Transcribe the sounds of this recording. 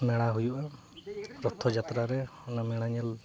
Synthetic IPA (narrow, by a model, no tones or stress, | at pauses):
nɛɽ̃aɦujuʔa | ɾɔt̪ʰːɔd͡ʒat̪ɾaɾɛɔnamɛɽ̃aɲɛl